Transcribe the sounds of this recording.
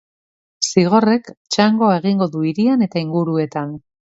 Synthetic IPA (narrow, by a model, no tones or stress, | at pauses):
siɣ̞o̞re̞kt͡ʃaŋɡo̞ae̞ɣiŋɡo̞ðuiɾiane̞t̪aiŋɡuɾue̞t̪an